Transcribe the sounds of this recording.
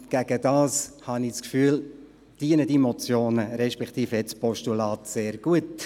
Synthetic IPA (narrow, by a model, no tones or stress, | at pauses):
ɡ̥æɡ̥əd̥ɑːshɑnɪskfyːl | d̥iənəd̥imɔt͡sjoːnəɾɛʃpɛkt̪iːfɛt͡spɔʃtulɑːtseːɾɡ̥uət